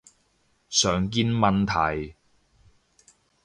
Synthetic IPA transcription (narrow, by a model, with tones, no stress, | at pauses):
sœː˨ŋk̬iː˧˥nmɐ˨nt̪ʰɐ˨˩j